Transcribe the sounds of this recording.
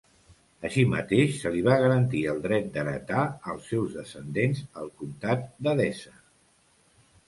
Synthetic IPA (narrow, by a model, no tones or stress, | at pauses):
əʃimə̰t̪eʃsəliβaɣ̞əɾənt̪iəlˠd̪ɾɛt̪̚d̪əɾə̰t̪aəlˠsːɛwzðəsənd̪enzəlˠkunt̪at̪̚d̪əðɛsə